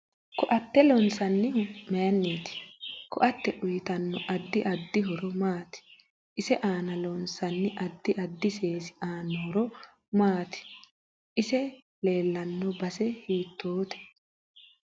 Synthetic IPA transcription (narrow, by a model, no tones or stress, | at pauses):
kɔʔɐt̪ːɛlɔnsɐnːɪhʊmɛjɐnːeːt̪ɪ̥kɔʔɐt̪ːɛʔʊjɪt̪ɐnːɔʔɐd̪ːɪʔɐd̪ːɪɦɔɾɔmaːt̪ɪ̥ | ʔɪsɛʔaːnɐlɔnsɐnːɪʔɐd̪ːɪʔɐd̪ːɪseːsɪ̥ʔaːnːɔhɔɾɔ | maːt̪ɪ̥ | ʔɪsɛ | le̞ːlːɐnːɔbɐsɛhiːt̪ːoːt̪ɛ̥